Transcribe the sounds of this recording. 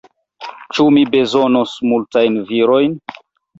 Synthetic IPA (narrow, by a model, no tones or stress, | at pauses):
t͡ʃumibe̞zonosmultajnviɾo̞jn